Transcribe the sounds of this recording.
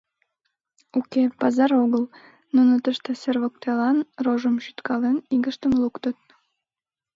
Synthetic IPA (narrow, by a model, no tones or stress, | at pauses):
ukepɑzɑɾoɣəl | nunət̪əʃt̪eserβok̚t̪elɑnroʒəmʃyt̪kʰɑleniɣəʃt̪əmlukt̪ət̪̚